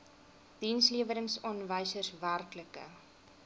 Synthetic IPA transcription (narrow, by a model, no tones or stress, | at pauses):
d̥insliəvəɾəŋsɔnvəjsərsværkləkə̰